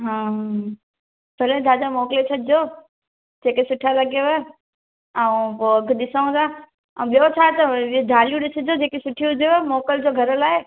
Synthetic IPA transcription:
ɦãː | bʱɐlẽd̪ʱaːd͡ʑamoːklesʰɐɗɪd͡ʑoː | d͡ʑeːkesʊʈʰalɐɡoʋe | aũpoɐɡʱɗɪsaũt̪aː | ə̃ũɓijot͡ɕʰaːt̪ɐd̪ʱaːlijũɗɪsɪd͡ʑod͡ʑeːkesʊʈʰiɦʊd͡ʑʱeʋemoːkəld͡ʑoːɡʱɐɾəlaːɦeː

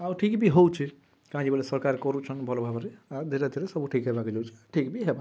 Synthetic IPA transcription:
abuʈʰikbʱiɦowt͡ʃʰi | kɦãd͡ʒibelesəɾkaɾkɔɾut͡ʃʰənbʱɔlobʱabɾead̪ʱeɾad̪ʱeɾesəbuʈʰikɦebaked͡ʒɔwt͡ʃʰi̥aʈʰikbʱiɦeba

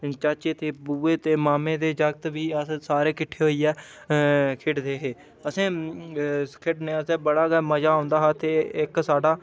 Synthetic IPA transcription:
t͡ʃat͡ʃeːt̪eːbuːeːt̪eːmaːmẽːd̪eːd͡ʒəɡt̪ʋiːəssaːɾeːkɪʈʰːeːɦoːiːɛː | kʰɪʈd̪eːɦeː | əsẽː | kʰɪʈneːəsɛːbəɽaːɡɛːməd͡ʒaːõːnd̪aːɦaːt̪eːɪksaːɖaː

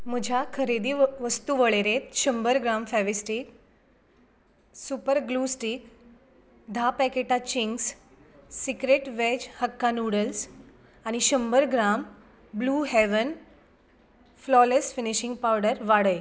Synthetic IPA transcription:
məd͡ʑʱakʰəɾed̪iːʋəst̪uʋəɭeɾet̪ɕəmbəɾɡɾamfɛʋisʈik | supəɾɡluːsʈiːk | d̪ʱapɛkeʈat͡ɕiŋɡs | sikɾeʈʋed͡ʑhəkːanuɽəls | aɽ̃iɕəmbəɾɡɾam | bluːɦeʋən | flɔlesfiniɕĩŋɡ̚pawɽəɾʋaɽəj

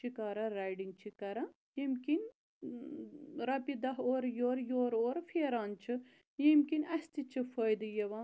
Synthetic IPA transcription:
t͡ʃʰikaːɾɐɾajɖiŋɡ̚t͡ʃʰikɐɾa | jimkin | ɾɐpid̪ɐɦoːɾjoːɾjoːɾoːɾfeːɾaːnt͡ʃʰɨ | jimkinɐst̪it͡ʃʰɨfojd̪ɨjɐʋãː

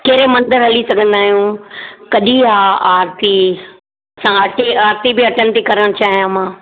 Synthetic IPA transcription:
keːɾemɐ̃nd̪əɾɦɐlisɐɡʱə̃nd̪aːɦijũkɐɗiɦaaːɾt̪i | ɐsãɐʈʰiaːɾt̪ibɪɐʈʰəñɪ̆t̪ekɐɾəɽ̃t͡ɕaːɦijãmãː

